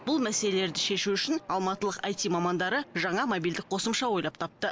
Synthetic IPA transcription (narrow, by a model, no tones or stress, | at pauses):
b̥ʊlˠmæse̞le̞le̞ɾd̪ɪʃe̞ʃuʏʃɪnɑlˠmɑt̪əlˠəqɑjt̪imɑmɑnd̪ɑɾəʒɑɴɑmobild̪ɪk̚qʰo̞səmʃɑwo̞jlˠɑp̚t̪ʰɑp̚t̪ə